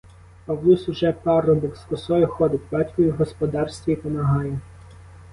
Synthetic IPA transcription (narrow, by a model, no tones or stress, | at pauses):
pɐwlˠusʊʒɛpɑrɔbɔkskɔsɔjʊxɔd̪ɪt̚ʲbɑtʲkɔjʊɦɔspɔd̪ɑrsʲt̪ʲʋʲiipɔmɐɦɑjɛ